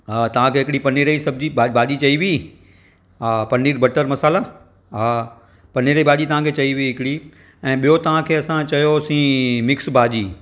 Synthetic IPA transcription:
t̪ɐʋ̤ãkʰeːɦɪkɽipɐniːɾəisɐb̚d͡ʑibaːbʱaːʄit͡ɕɐiʋi | ɦapɐniːɾbɐʈəɾmɐsaːla | ɦa | pɐniɾəibʱaːʄit̪ɐʋ̤ãkʰeːt͡ɕɐiʋiiɦɪkɪɽi | ɛ̃ːɓijot̪ɐʋ̤ãkʰeːɐsãt͡ɕɐjosĩːmɪksbaːd͡ʑiː

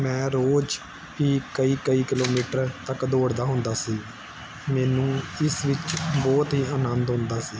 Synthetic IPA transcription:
mɛ̃ːɾoːd͡ʒ | piːkəiːkəiːkɪloːmiːʈəɾt̪əkd̪oːɽd̪aːɦʊ̃nd̪aːsiː | mɛːnũːɪsʋɪt͡ʃbɔːt̪ɦiːəːnənd̪ɦʊ̃nd̪aːsiː

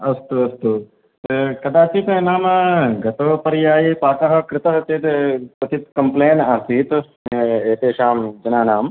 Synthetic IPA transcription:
ɐst̪uɐst̪u | kɐd̪aːt͡ʃiːt̪naːmɐɡɐt̪oːpɐɾjaːjipaːt̪ɐɦɐ̆kɾɪt̪ɐɦɐt̪eːt̪pɐt͡ʃit̪kɐmpleːnaːst̪iːt̪ | eːt̪eːʃaːmd͡ʒɐnaːnaːm

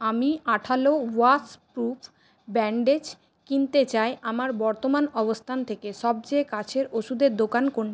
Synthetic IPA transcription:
amiaʈʰalowaspɾupʰ | bɛɳɖed͡ʑ | kint̪et͡ɕaeʔamaɾbɔɾt̪omanɔbost̪ʰant̪ʰekeʃɔb̚t͡ɕekat͡ɕʰeɾoʃud̪eɾd̪okankoɾni

